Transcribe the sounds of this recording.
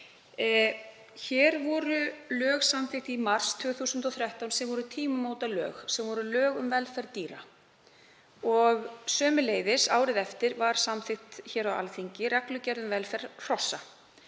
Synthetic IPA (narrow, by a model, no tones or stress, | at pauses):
çɛːɾvɔɾʏlœːɣsamθɪxt̪imar̥st̪ʰʏːɣθusʏnt̪ɔθɾjɛht̪awnsɛmvɔɾʏt̪ʰiːmʏmoːwt̪alœːɣsɛmvɔɾʏlœːɣʏmvɛlfɛɾt̪iːɾa | ɔɣsœːmʏleːjðɪsaːwɾɪðɛft̪ɪɾvaɾ̥samθɪxt̪çɛːɾawa̰lθiɲcɪɾɛklʏcɛɾðʏmvɛlfɛɾ̥r̥ɔsːa